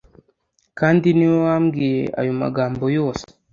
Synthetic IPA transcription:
kandiniwamɡia̰juma̰ɡambojos

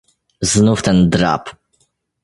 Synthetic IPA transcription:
znuft̪ɛnd̪ɾa̰p

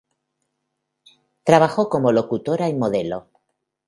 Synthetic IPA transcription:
t̪ɾaβaxo̞ko̞mo̞lo̞kut̪o̞ɾaimo̞ðe̞lo̞

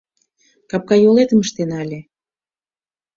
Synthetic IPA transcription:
kɑp̚kɑjolet̪əməʃt̪enɑlʲe

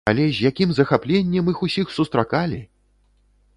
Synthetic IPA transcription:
a̰lʲɛzʲjakʲimzɐxaplʲenʲːɛmixusʲixsust̪ɾakalʲi

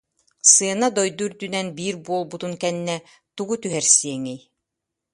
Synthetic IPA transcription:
sɯɐnad̪ɔjd̪uɾd̪ynɛnbiːɾbuɔlˠbut̪unkɛnːɛ | t̪uɡut̪yɦɛɾsiɛŋɛj

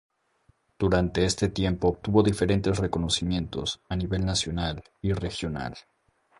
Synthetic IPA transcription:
d̪̥uɾant̪e̞est̪e̞t̪je̞mpo̞ːp̚t̪uβo̞ðife̞ɾe̞nt̪esre̞ko̞no̞simjẽ̞nt̪o̞̰saniβe̞lnasjo̞nal | ire̞xjo̞na̰l

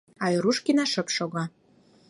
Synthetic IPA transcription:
ɑjɾuʃkinɑʃə̆pʃoɣɑ

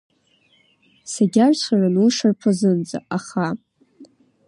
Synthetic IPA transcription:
saɡʲarsʷχaranuʂarpʰazɨnd͡za̰ʔaχa

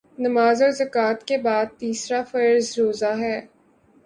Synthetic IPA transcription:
nɐmaːzɔːɾzɐkaːt̪kebaːd̪̚t̪iːsɾafɐɾzɾoːzaɦɛː

